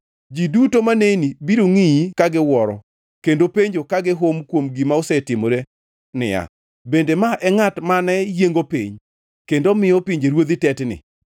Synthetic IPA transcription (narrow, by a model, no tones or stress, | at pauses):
d͡ʒidutomaneinibiɾoŋijikaɡɪwɔɾɔ̰ | kendopeɲd͡ʒokaɡɪɦomkwomɡimaosɛtɪmoɾe | nɪ̰ja̰ | bendemaʔɛŋatmanɛjeŋɡopiɲ | kendomɪjɔpiɲd͡ʒeɾwod̪itɛtnɪ̰